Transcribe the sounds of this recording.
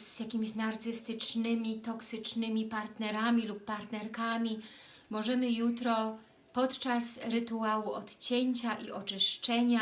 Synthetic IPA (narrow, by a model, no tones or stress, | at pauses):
zjakʲimʲiɕnaɾt̪sɘst̪ɘt͡ʂnɘmʲit̪ɔksɘt͡ʂnɘmʲipaɾt̪nɛɾamʲilupːaɾt̪nɛɾkamʲi | mɔʐɛmɘjut̪ɾɔ | pɔt̪t͡ʂasɾɘt̪uawuɔt̪t͡ɕeɲt͡ɕaʔḭʔɔt͡ʂɘʂt͡ʂɛɲa